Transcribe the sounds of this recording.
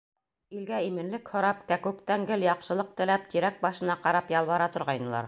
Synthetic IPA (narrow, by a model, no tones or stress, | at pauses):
ilɡæimɘ̆nlɘkhŏɾɑpkækʉk̚t̪æŋɡɘljɑqʃɤ̆lˠɤq̚t̪ɘ̆læp̚t̪iɾæk̚bɑʃɤ̆nɑqɑɾɑpjɑlˠβɑɾɑt̪ŏɾʁɑjnɤ̆lˠɑ̰ɾ